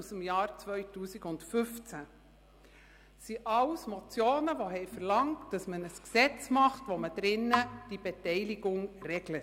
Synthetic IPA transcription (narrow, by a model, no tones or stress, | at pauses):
usəmjɑːɾt͡sʋœʏtuːsiɡʊndfʏft͡sæ | siʔɑwsmɔt͡sjoːnəʋoɦɛɪfəɾlɑŋtd̥ɑsmənəsksɛt͡smɑχtʋoməd̥ɾɪnːəd̥ib̥etɛɪliɡʊŋrɛɡlət